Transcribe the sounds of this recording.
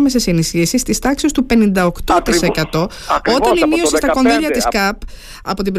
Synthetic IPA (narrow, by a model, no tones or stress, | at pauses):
mes̬esinisçiɐsist̪ist̪ɐksist̪upe̞nind̪ɐokt̪o̞t̪ise̞kɐt̪o̞ | o̞t̪ɐnimio̞sist̪ɐko̞nðiʎɐt̪iskɐp | ɐ̰po̞t̪ibɾ